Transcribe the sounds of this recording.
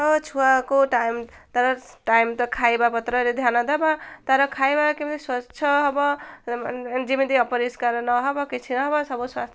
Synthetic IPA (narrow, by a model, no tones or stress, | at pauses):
ʌt͡ʃʰuakoʈajmt̪ʌɾʌʈajmt̪ʌkʰajbapʌt̪ɾʌɾed̪ʱjanʌd̪abat̪aɾʌkʰajbakibʌniswat͡ʃʰʌɦʌbʌ | d͡ʒimid̪iʌpʌɾiskaɾnʌɦʌbʌkit͡sʰinʌɦʌbʌsʌboswa̰st̪ʰ